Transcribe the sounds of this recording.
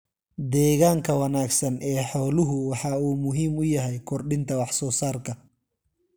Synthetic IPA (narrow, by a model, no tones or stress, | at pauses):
d̪ɛːɣaːŋkʰɐwɐnaːɡsɐnʔɛːħɔːlʊɦʊwɑħɑːuːmʊɦiːmʊjɐɦɛjkʰɔrɖɪnt̪ʰɐwɑħsɔːsaːrkʰɐ